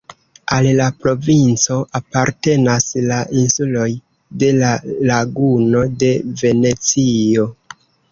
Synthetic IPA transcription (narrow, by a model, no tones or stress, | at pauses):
allapɾo̞vint͡so̞ʔapaɾte̞naslaʔinsulo̞j | de̞lalaɡuno̞de̞ve̞ne̞t͡sio̞